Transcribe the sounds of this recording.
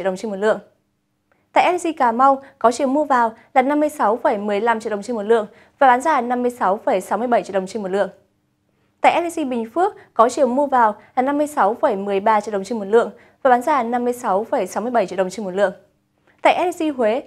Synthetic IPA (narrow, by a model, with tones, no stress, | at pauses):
ɗə˨˩ŋ͡mt͡ɕe˧mo˨˩t̚lɨ̰˧˨əŋ | t̪a̰ː˧˨ʔɛ˧˥li˧si˧kaː˨˩ma˧wkɔ˨˦t͡ɕi˨˦əwmu˧əvaː˨˩wlaː˨˩na˧mːɨ˧əjsa˨˦wfə˧˩jmɨ˨˩əjla˧mt͡ɕi˧˨ɗə˨˩ŋ͡mt͡ɕe˧nmo˨˩t̚lɨ̰˧˨əŋ | vaː˨˩ɓaː˨˦nzaː˧˩na˧mːɨ˧əjsa˨˦wfə˧˩jsa˨˦wmɨ˧əjɓə˧˩t͡ɕi˧˨ɗə˨˩ŋ͡mt͡ɕe˧nmo˨˩t̚lɨ̰˧˨əŋ | t̪a̰ː˧˨jʔtli˧si˧ɓï˨˩ŋ̟fɨ˦˥ək̚kɔ˨˦t͡ɕi˨˦əwmu˧əvaː˨˩wlaː˨˩na˧mːɨ˧əjsa˨˦wfə˧˩jmɨ˨˩əjɓaː˧t͡ɕi˧˨ɗə˨˩ŋ͡mt͡ɕe˧mo˨˩t̚lɨ̰˧˨əŋ | vaː˨˩ɓaː˨˦nzaː˧˩na˧mːɨ˧əjsa˨˦wfə˧˩jsa˨˦wmɨ˧əjɓə˧˩jt͡ɕḭ˧˨ɗə˨˩ŋ͡mt͡ɕe˧nmo˨˩t̚lɨ̰˧˨əŋ | t̪a̰ː˧˨jʔɛ˦˥li˧si˧ɦwe˨˦